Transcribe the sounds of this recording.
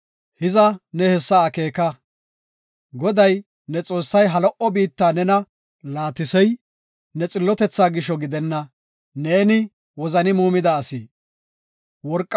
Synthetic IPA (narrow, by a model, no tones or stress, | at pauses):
hɪzɐnɛhɛsːɐːke̞ːkɐ | ɡɔd̪ɐj | nɛt͡sʼo̞ːsːɐjɦɐlɔʔɔbiːt̪ːaːnɛnɐ | laːt̪ɪsɛj | nɛt͡sʼɪlːɔt̪ɛt͡sːaːɡɪʃɔɡɪd̪ɛnːɐ | neːnɪ | wɔzɐnɪmuːmɪd̪ɐːsiː | wɔɾkʼː